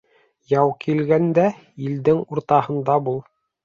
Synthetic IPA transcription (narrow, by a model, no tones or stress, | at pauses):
jɑwkʰilɡænd̪æ | ild̪ɘŋuɾt̪ɑɦɤ̆nd̪ɑbulˠ